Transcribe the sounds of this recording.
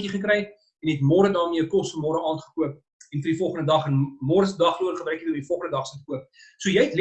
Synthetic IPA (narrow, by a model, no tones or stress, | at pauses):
kiχəkɾɛj | ɛnɦɛtmɔːɾədɑːmiəkɔsəmɔːɾəʔɑːnχə̥kuəp̚ | ɛnfərdifɔlˠχəndədɐχənmɔːɾəsədɐχluənχəbɾɛjkiɔmdifɔlˠχəndədɐχsətəkuəp̚ | suəjɛjɛtl